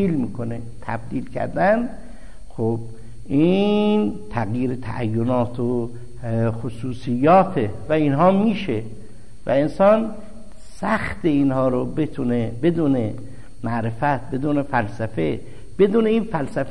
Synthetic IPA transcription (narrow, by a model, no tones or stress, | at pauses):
iːlmiːkʰonet̪ʰæ̰b̚d̪iːlkʰæ̰ɾd̪ænd̪ | xob̚ | ʔiːnt̪ʰæɣjiːɾet̪ʰæ̰ʔæjːonɒːt̪ʰo | xosuːsijːɒːt̪ʰe | væinɦɒːmiːʃe | væ̰e̞nsɒːn | sæxt̪einhɒːɾobe̞t̪ʰunebe̞d̪uːne | mæʔɾefæt̪̚bed̪uːnefælsæfe | b̥e̞d̪uːne̞iːnfælsæf